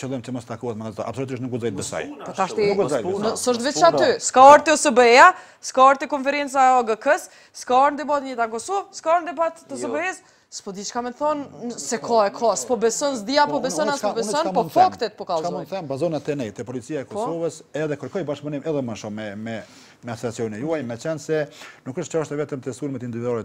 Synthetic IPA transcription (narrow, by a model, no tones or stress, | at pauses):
t͡ʃəlˠɔmt͡ʃəmɔst̪akuhɛt̪maɡazɔt̪ɔ̰a̰psɔlut̪iʃt̪nukuzɔjt̪̚bɛsa̰jpɔaʃt̪inkuzɔjt̪nəsəʃt̪vɛt͡ʃat̪yskaɔɾt̪iɔsəbəɛa | skaɔɾt̪ikɔnfɛɾɛnt͡saɛɔɡəkəs | skaɔɾnd̪ibat̪ɲɛt̪ankɔsɔvskaɔɾnd̪ibat̪ːəs̬əbəɛs | spɔd̪it͡ʃkamɛnθɔnsɛkʰɔɛkʰɔspɔbɛsɔnzd̪iapɔbɛsɔnasɔbɛɔnpɔfakt̪ɛt̪̚pɔkalˠuθɛnbazɔnat̪ɛnɛjt̪ɛpɔlit͡siaɛkɔsɔvəsɛðɛkəɾkɔjbaʃpunimɛðɛməʃumɛmɛ | mɛasɛɾat͡sijɔnnɛjuajmɛt͡ʃɛnsɛnukəʃt̪t͡ʃaʃt̪ɛvɛt̪əmt̪ɛst̪ulmɛt̪ind̪ivid̪ɔɾɛt̪